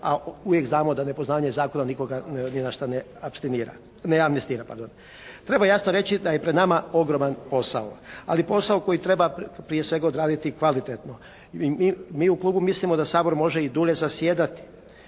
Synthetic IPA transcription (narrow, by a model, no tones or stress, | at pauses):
a̰ujekznaːmo̞d̪ane̞po̞znaːʋaɲezaːkonaniko̞ɡaninaʃt̪ane | apst̪iniːɾa̰ | neamnest̪iːɾapa̰ɾd̪on | t̪ɾe̞bajasnoɾe̞t͡ɕid̪ajepɾed̪namao̞ɡɾo̞manpo̞saoa̰lipo̞saoko̞jit̪ɾe̞bapɾije̞sʋe̞ɡaod̪ɾaːd̪it̪ikʋalit̪et̪no̞ | imimiːuklˠuːbumislimo̞d̪asaːbo̞ɾmo̞ʒeid̪uʎe̞zasjeːd̪at̪i̥